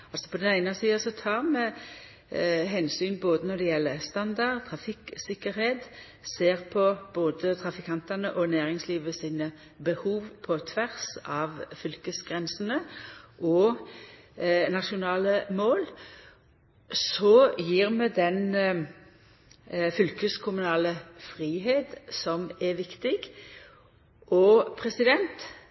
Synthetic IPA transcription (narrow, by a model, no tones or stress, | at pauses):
ɑlsɔ̥pʰɔd̪ɛnæɪnəsiːɑsɔt̪ʰɑːʁmɛ | ɦɛnsyːnboːd̪ənɔd̪ɛjɛlːəst̪ɑnd̪ɑdt̪ʰʁɑfɪksɪkːəɾheːt̪ | seːʁpʰɔb̥oːd̪ət̪ʰʁɑfɪkʰɑnt̪ɑnəʔɔnæːʁɪŋsliːʋəsiːnə | bəhuːʋpʰɔt̪ʰʋæʁsɑʋfʏlkəsɡʁɛnsənəʔɔ | nɑʃʊnɑːləmoːl | sɔjiːʁmɛd̪ɛn | fʏlkəskʰʊmʉnɑːləfʁiːɦeːt̪sɔmɛʋɪkt̪ɪɡ | ʔɔpʰʁɛsɪd̪ɛnt̪